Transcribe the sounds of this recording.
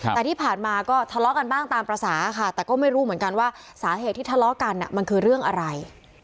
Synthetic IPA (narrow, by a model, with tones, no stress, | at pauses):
tɛː˨˩t̪ʰiː˥˩pʰaː˨˩nmaː˧kɔː˥˩t̪ʰa˧lɔ˦˥ka˧nbaː˥˩ŋt̪aː˧mpɾa˧saː˩˦˧kʰa˥˩t̪ɛː˨˩kɔː˥˩ma˥˩jɾuː˦˥mɯ˨˩˦ənka˧nwaː˥˩ | saː˩˦ɦeː˨˩t̪ʰːiː˥˩t̪ʰa˧lɔ˦˥ka˧nːi˨˩ma˧nkʰɯː˧ɾɯ˥˩əŋʔa˧ɾa˧j